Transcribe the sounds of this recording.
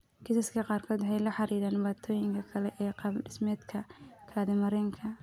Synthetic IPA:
kʰɪsɐskʰɐqɑːrkʰɔːd̪hɛjlɐħɑɾiːɾaːnbaːt̪ʰɔːjɪŋkʰɐkʰɐlɛʔɛːqɑɖɪsmɛːd̪kʰɐkʰaːðɪmɐɾɛːŋkʰɐ

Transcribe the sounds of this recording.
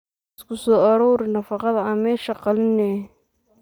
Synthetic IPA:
ɪskʰʊsɔːɐɾɔːɾɪnɐfɑqɑðɐɐmɛːʃɐqɑlɪnɛ

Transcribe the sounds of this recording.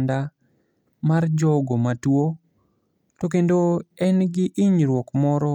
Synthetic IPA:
nda | mard͡ʒɔɡomatwo | tok̬endoɛnɡɪʔɪɲɾwɔkmɔɾɔ

